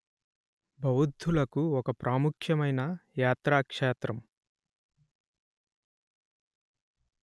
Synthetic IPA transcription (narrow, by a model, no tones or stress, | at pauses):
bʱɐwud̪ʱːulɐkuɔkɐpɾʔaːmukʰjɐmɐjnɐjaːt̪ɾaːkʂeːt̪ɾɐm